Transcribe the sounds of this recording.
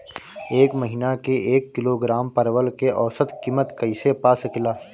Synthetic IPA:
eːkməɦiːnakeeːkːɪloɡɾaːmpɐɾwəlkeʔɔːsət̪kiːmət̪kɐɪsepaːsɪkɪlaː

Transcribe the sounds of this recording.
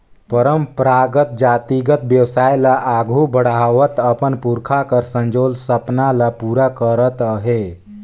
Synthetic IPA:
pəɾəmpɾaɡət̪̚d͡ʒat̪iɡət̪̚bjəwsajlaʔaɡʱubəɽaʋət̪əpənpuɾkʰakəɾsənd͡ʒolsəpnalapuɾakəɾət̪əɦe

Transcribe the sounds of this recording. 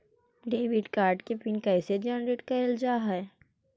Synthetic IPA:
ɖeːʋɪɖkaːɾɖkepɪnkɛːsed͡ʒɛːnɾeːʈkɐld͡ʒaːɦɛ

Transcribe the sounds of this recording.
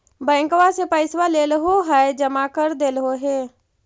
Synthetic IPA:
bɛ̃ːŋkʋasepəɪsʋaleːlɦoɦɛd͡ʒəmakəɾd̪eːlɦoɦeː

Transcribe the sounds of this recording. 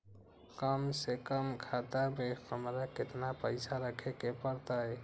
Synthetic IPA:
kəmsekəmkʰat̪amexəmɾakɪt̪napəɪsaɾəkʰekepəɾt̪aɦɛ

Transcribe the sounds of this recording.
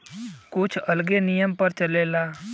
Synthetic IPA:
kut͡ʃʰəlɡenijəmpəɾt͡ʃəlela

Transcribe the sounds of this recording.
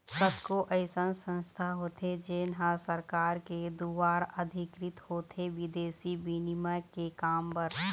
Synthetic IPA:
səbkoʔəɪsənsə̃nst̪ʰaɦoːt̪ʰed͡ʒeːnɦãsəɾkaːɾked̪uːaːɾəd̪ʱɪkɾɪt̪hoːt̪ʰeʋɪd̪eːsibinimakekaːmbəɾ

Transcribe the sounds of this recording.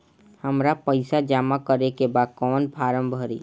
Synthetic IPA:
həmɾapəɪsad͡ʒaːmakəɾekebaːd̪̚kɔːnpʰaːɾə̃mbʱəɾḭː

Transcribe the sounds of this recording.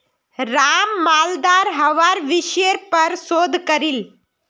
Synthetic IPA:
ɾaːmːaːld̪aːɾɦɐʋaɾʋɪʃəɾpəɾsoːd̪ʱkəɾil

